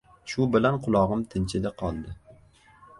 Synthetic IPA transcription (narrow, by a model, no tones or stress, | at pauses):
ʃʊbɪlanqʰʊlˠɒʁɨmt̪ʰɪnt͡ʃʰɪd̪aqʰɒlˠd̪ɪ